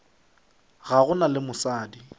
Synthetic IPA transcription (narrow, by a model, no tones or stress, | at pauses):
ɣaɣʊnalɪmʊsaːdi